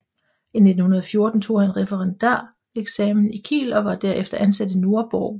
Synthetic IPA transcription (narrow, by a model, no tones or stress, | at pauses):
ine̝d̥n̩hunɐð̞ˠɒfjo̝ɐd̥n̩t͡sʰo̝̰ːhænʁɛfəʁɑnd̥æ̰ɐ̰ | eɡ̥sɛmn̩ikʰḭːlɒ̽ʋɑ̈d̥æɐefd̥ɐʔænsæd̥əno̝ɐb̥ɒː